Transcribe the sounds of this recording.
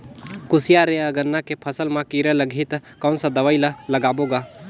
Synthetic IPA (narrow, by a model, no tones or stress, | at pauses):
kʊsijaɾeəɡənːakepʰəsəlmãkiɾələɡʱiːt̪kɐwnsə̃d̪əʋəjləlɐɡaːboːɡa